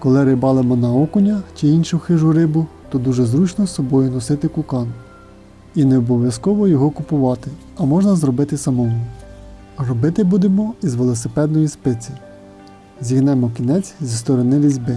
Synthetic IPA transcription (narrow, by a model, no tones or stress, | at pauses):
kɔlˠɪɾɪbɑlˠemɔnɐɔkʊnʲɐt͡ʃiinʃʊxɪʒʊɾɪbʊt̪ɔd̪uʒɛzɾut͡ʃnɔsːɔbɔjʊnɔsɪt̪ɪkʊkɑn | ineɔbɔʋʲjɐskɔʋɔjɔɦɔkʊpʊʋɑt̪ɪ | ɐmɔʒnɐzɾɔbɪt̪ɪsɐmɔmu | rɔbɪt̪ɪbud̪emɔizʋelˠɔsepɛd̪̚nɔjispɪt͡sʲi | zʲiɦnɛmɔkʲinɛt͡sʲzʲist̪ɔɾɔnɪʋʲizʲbɪ